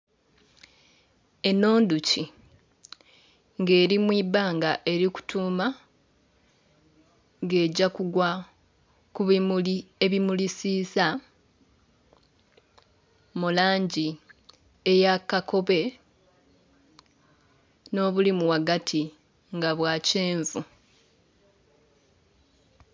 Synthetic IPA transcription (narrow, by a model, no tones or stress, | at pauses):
e̞no̞ːnduci | ŋɡe̞ːɾimwibaːŋɡaʔe̞ɾiku̥tʰuːma | ŋɡe̞ːɟakuɡwa | kuβimulieβimulisiːsa | mulaːɲɟi | ejakako̞βe̞ | no̞ːβulimuwaɡatʰi | ŋɡaβwaːceːɱvu